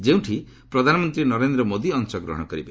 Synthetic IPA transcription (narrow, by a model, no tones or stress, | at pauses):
d͡ʒew̃ʈʰi | pɾɔd̪ʱanɔmɔnt̪ɾinɔɾend̪ɾɔmod̪iɔnsɔɡɾɔ̰ɦɔ̃ɔkɔɾibe